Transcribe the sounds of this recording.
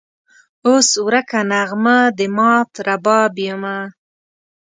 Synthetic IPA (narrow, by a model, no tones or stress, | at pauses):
oswwɾakanaɣmad̪əmɑt̪ɾabɑbjəma